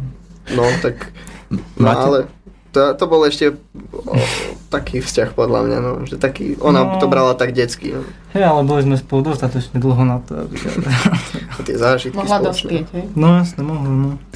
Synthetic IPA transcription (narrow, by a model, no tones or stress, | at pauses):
nɔt̪ak | nmaalɛt̪at̪ɔbɔlɛʃcɛ | t̪akʰiːfscaxpɔd̪la̰mɲa̰nɔʒɛt̪akḭːʔɔnaɔbɾalat̪aɡɟɛt͡skḭahɛjalɛbɔlizmɛspɔlˠd̪ʋɔst̪at̪ɔt͡ʃɲɛd̪l̩ˠɦɔnat̪ɔ̰a̰bḭ | t̪ɪɛzaːʒit̪mɔilad̪ɔspɪɛcɦɛjnɔjasnɛmɔɦlanɔ